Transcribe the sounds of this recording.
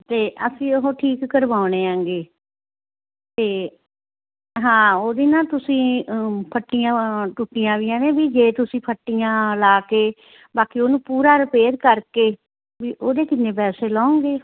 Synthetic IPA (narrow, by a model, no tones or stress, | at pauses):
t̪eːʔəsĩːoɦoːʈʰiːkːəɾʋaːʊɳ̃eːãːŋɡeː | t̪eː | ɦãːoːd̪iːnãːt̪ʊsĩːpʰəʈːijãːʈʊʈːijãːʋiːɛːnẽːbiːd͡ʒeːt̪ʊsĩːpʰəʈːijãːlaːkeː | baːkiːoːnũːpuːɾaːɾəpeːɾkəɾkeː | ʋiːʔoːd̪eːkɪnːeːpɛːseːlaːõŋɡeː